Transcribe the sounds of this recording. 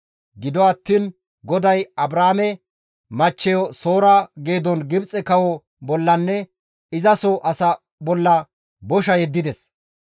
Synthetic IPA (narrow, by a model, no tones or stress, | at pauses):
ɡɪd̪ɔɐt̪ːiːn | ɡɔd̪ɐjɐbɾaːmɛ | mɐt͡ʃːɛjɔso̞ːɾɐɡe̞ːd̪ɔnɡɪbt͡sʼɛkɐwɔ | bɔlːɐnːɛ | ɪzɐsɔʔɐsɐ | bɔlːɐ | bɔʃɐjɛd̪ːɪd̪ɛs